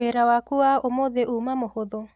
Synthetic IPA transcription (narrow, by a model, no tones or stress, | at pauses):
eɾawakuaomoðeʔuːmamohoðo